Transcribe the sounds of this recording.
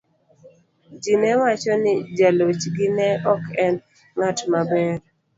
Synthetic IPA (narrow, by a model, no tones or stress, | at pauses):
d͡ʒinɛwat͡ʃɔnɪd͡ʒalot͡ʃɡɪnɛɔkʰɛn | ŋatmabɛɾ